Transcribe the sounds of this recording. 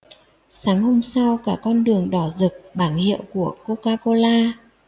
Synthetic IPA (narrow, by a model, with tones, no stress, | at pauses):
saː˨˦ŋho˧msa˧wkaː˧˩kɔ˧nɗɨ˨˩əŋɗɔ˧˩zɨ˨˩k̚ɓaː˧˩nhḭ˧˨əwku˧˩əko˧kaː˧ko˧laː˧